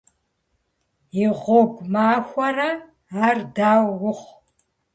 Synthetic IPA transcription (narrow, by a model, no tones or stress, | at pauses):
iʁʷɔɡʷmaːxʷɐrɐ | aːrdaːwːʊχ